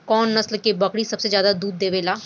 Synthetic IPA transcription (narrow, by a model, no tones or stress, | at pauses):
kɔːnːəslkebəkɽiːsəbseːzjaːd̪ad̪uːd̪̚ːeːʋeːlaː